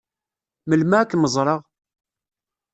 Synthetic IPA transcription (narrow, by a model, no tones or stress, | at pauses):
məlmæækːməzˤɾˤɑʁ